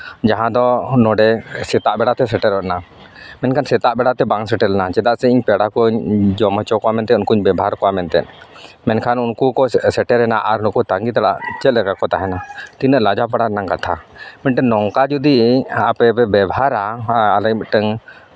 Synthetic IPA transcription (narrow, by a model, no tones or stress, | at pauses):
d͡ʒaɦãd̪ɔnɔɖɛsɛt̪aʔbɛɽat̪ɛsɛʈɛɾɔʔna | mɛnkʰansɛt̪aʔbɛɽat̪ɛbaŋsɛʈɛɾɛnat͡ʃɛd̪aʔsɛiɲpɛɽakɔɲd͡ʒɔmɔt͡ʃɔkɔamɛnt̪ɛunkuɲbɛbʱɦaɾkɔwamɛnt̪ɛ̰n | mɛnkʰanunkukɔsɛʈɛɾɛnaʔaɾunkɔt̪aŋɡit̪aɽa̰ʔt͡ʃɛt̪lɛkakɔt̪aɦɛnat̪inəʔlad͡ʒapaɽanaŋkat̪ʰa̰mɛnʈɛnnːɔŋkad͡ʒud̪iapɛbɛbɛbʱaɾaːlɛk̚mɛʈəŋ